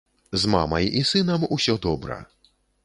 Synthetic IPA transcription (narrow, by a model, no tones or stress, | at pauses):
zmamɐjisɨnɐmusʲɔd̪ɔbɾɐ̰